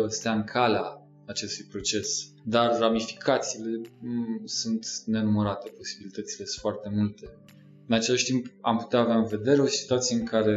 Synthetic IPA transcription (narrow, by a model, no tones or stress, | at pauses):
əst̪aɨŋkʰaleaː | t͡ʃe̞st̪ujpɾo̞t͡ʃe̞s | d̪arramifi̥kʰat̪siːle̞ | sunt̪ne̞numəɾat̪e̞po̞sibilit̪ət̪sile̞foart̪e̞mult̪e̞ | ɨnat͡ʃe̞laʃʲt̪impa̰mput̪eaːvaɨnve̞d̪e̞ɾe̞o̞si̥t̪uat̪sijeɨŋkʰaɾe̞